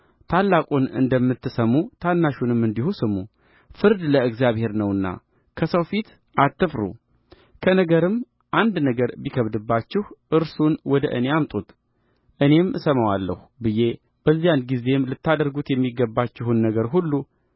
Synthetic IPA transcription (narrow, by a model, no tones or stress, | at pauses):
t̪ʰalːakʼunɨ̰nd̪əmːɨt̪ːɨsəmːut̪ʰanːaʃunɨmːɨnd̪ihusɨmːu | fɨɾd̪ləɨɡzijaβhe̞ɾnəwɨnːa̰ | kʰəsəwfit̪ | ʔat̪ːɨfɾṵ | kʰənəɡəɾɨm | ʔand̪nəɡəɾbikʰəβd̪ɨbːat͡ʃːɪhʔɨɾsunwɔd̪ə̰ʔɨne̞amt̪ʼut̪ | ʔɨne̞msəməwalːə̰hubɨje̞ | b̥əzːijanɡize̞mlɨt̪ːad̪əɾɡut̪jɛmːiɡːəbːat͡ʃːɪhunːəɡəɾɦulːu